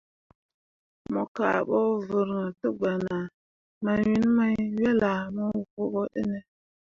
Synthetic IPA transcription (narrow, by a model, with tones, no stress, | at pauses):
mo˨ka̰˨ɓo˦və˨ɾŋə˨tə˦ɡ͡ba˨na˨ | ma˨wi˦n˦ma˦jwe˦la˨mo˦wu˨ku˦ɓo˦ɗə̰˦ne˦